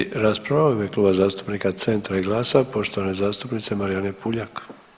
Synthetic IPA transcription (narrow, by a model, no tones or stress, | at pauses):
ɾaspɾaʋaoimjekluːbazaːst̪u̥pnikat̪se̞nt̪ɾaiɡlˠaːsapo̞ʃt̪o̞ʋane̞zaːst̪upnit̪se̞maɾijane̞puʎak